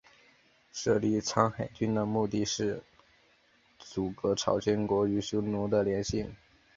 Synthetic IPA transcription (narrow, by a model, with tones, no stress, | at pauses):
ʂɤ˥˧li˥˩t͡sʰɑ˥ŋxa˨˩ɪt͡ɕy˥nd̪ə˨mu˥˧t̪i˥˧ʂɻ̩˥˩ | t͡su˨˩kɤ˧˥ʈ͡ʂʰɑ̰˨˩ʊt͡ɕjɛ˥nkwɔ˧˥y˧˥ɕjo˥ʊnu˧˥d̪ə˨ljɛ˧˥nɕi˥˩ŋ